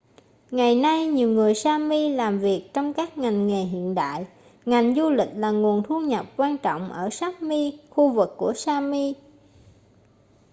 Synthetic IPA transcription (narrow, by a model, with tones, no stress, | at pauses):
ŋa˨˩jna˧jɲi˨˩əwŋɨ˨˩əjsaː˧mi˧laː˨˩mvi˨˩ək̚t͡ɕɔ˧wŋ͡mkaː˦˥k̚ŋa˨˩jŋ̟ŋe˨˩ɦḭ˧˨ənɗa̰ː˧˨j | ŋa˨˩jŋ̟zu˧lï˨˩k̟̚laː˨˩ŋu˨˩ənt̪ʰu˧ɲə˨˩p̚kwaː˧nt͡ɕɔ̰˧˨wŋ͡mʔəː˧˩saː˦˥k̚mi˧xu˧vɨ˨˩kːu˧˩əsaː˧mi˧